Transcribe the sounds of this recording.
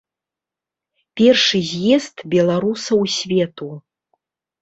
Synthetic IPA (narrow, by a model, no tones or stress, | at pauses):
pʲɛrʂɨzʲjɛst̪bʲɛlˠaɾusɐwsʲvʲɛt̪u